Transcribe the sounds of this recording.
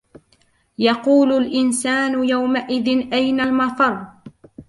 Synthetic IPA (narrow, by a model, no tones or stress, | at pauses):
jɑquːlʊlʔɪnsaːnʊjawmaʔɪðɪnʔajnalmɑt̪ˤɑɾˤ